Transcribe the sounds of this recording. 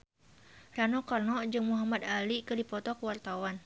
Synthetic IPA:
ranɔkɔrnɔd͡ʒɨŋmuɦamad̪alikɨdipɔt̪ɔkəwart̪awan

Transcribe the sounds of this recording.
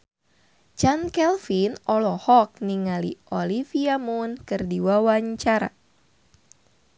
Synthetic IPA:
t͡ʃankɛlfinɔlɔhɔk̚niŋalḭʔolifiamunkɨrdiwawaɲt͡ʃaɾa̰

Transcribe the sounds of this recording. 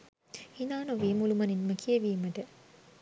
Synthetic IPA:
inaːnoʋiːmulumɐninməkʰijeʋiːmɐʈə

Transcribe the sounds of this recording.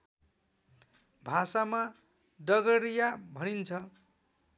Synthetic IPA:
bʱasama | dʌɡʌɾijabʱʌnint͡sʰʌ

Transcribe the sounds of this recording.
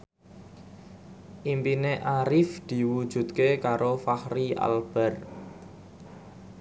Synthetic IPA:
ʔimpineʔaɾɪfd̪̥i̤wud̥ʒ̥ṳt̪̚kekaɾofahria̰lb̥ɛ̤r

